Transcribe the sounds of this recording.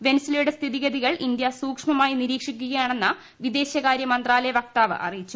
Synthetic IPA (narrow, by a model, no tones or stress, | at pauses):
ʋe̞nɐsiljuɽest̪ʰiðiɣɐðiɣɐɭʔind̪jɐsuːkʂmɐmaːjiniɾiːkʂikʲːuɣɐjaːɳe̞nːɨ | ʋid̪e̞ːɕjɐkaːɾjɐmɐnd̪raːlɐjɐʋɐk̚t̪aːʋɨ̰ʔɐ̰rijit͡ɕːu̥